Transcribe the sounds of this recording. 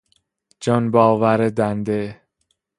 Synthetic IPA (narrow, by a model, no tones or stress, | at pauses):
d͡ʒɒnbɒːvæɾed̪ænd̪e